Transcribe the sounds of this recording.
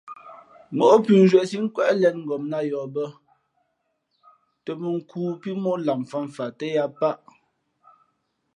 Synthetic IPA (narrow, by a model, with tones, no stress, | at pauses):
mo˨ʔo˦pʉ˨n˦zɥɛ˨si˦ŋ̩˦kwɛ˦ʔlɛ˦˨nŋ̩˨ɡɔ˨mna˦jɔː˨bə˦ | tə˨mə˨ŋ̩˨kuː˦pi˦mɔ˦la˨m˨fa˦ɱ˨fa˨tə˦ja˦pa˦ʔ